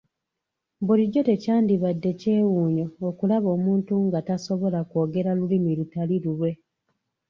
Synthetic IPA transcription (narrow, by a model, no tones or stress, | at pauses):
buliɟːo̞te̞caːndiβadːe̞ce̞ːwuːɲo̞ːkulaβo̞ːmuːntuŋɡataso̞βo̞lako̞ːɡe̞ɾalulimilutalilulwe̞